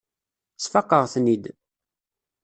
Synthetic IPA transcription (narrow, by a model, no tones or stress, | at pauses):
t͡sːfɑqːəʁθnid̪